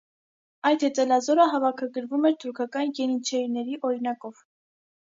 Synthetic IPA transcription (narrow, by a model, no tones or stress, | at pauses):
ɑjt̪hɛt͡sɛlɑzɔɾəɦɑvɑkʰɑɡəɾvumɛɾt̪ʰuɾkʰɑkɑnjɛnit͡ʃʰɛinɛɾiʔɔɾinɑkɔv̥